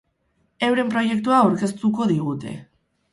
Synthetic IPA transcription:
e̞wɾe̞mpɾo̞je̞kt̪uaːwɾke̞st̪uko̞ðiɣ̞ut̪e̞̰

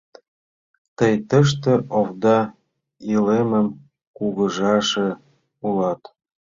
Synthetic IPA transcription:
t̪əjt̪əʃ̬t̪ĕʔovd̪ɑ | ileməm | kuɣəʒɑʃĕ | ulɑt̪

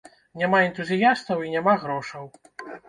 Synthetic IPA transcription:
nʲamaɛnt̪uzʲijast̪ɐwinʲamaɣɾɔʂɐw

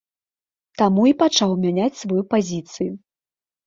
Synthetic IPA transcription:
t̪amuipat͡ʂawmʲanʲat͡sʲsvajupazʲit̪sɨju

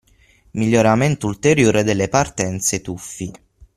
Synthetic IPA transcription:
miʎːoɾament̪oult̪eɾjoːɾed̪elːepart̪ɛnt̪set̪ufːi

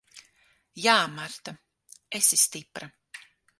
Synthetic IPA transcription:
jaːmaɾt̪a | esist̪ipɾa

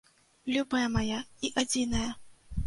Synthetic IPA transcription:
lʲubɐjɐmajaiʔad͡zʲinɐjɐ

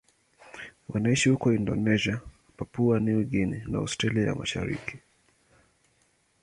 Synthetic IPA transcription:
wanaiʃihukɔindɔ̰nɛʒia | papuaniwiɡinɛnaa̰stɾaliaja̰maʃa̰ɾḭkʰi̥

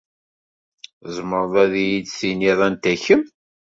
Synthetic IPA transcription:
zˤməɾðˤæðijidsiniðˤænt̪æçəm

